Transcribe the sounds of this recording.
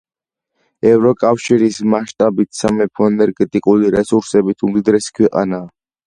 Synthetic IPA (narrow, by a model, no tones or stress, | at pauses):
ɛvɾɔkʼafʃiɾismaʃt̪ʼabit̪ʰsamɛpʰɔɛnɛɾɡɛt̪ʼikʼuliɾɛsuɾsɛbit̪ʰumd̪id̪ɾɛsi̥kʰwɛqʼa̰naː